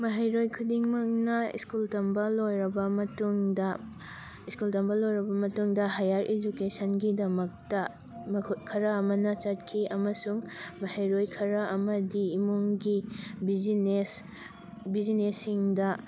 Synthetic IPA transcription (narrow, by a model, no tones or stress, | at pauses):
mɐɦajɾojkʰudiŋmɐknɐḭskultɐmbɐlojɾɐbɐmɐtuŋdɐ | iskultɐmbɐlojɾɐbɐmɐtuŋdɐɦajaɾʔed͡ʒukesɐnɡidɐmɐk̚tɐ | mkʰkʰɐɾɐɐmɐnɐt͡ʃɐt̚kʰiʔɐmɐsuŋmɐhajɾojkʰɐɾɐʔɐmɐdiːmoŋɡibines | bid͡ʒinesːiŋdɐ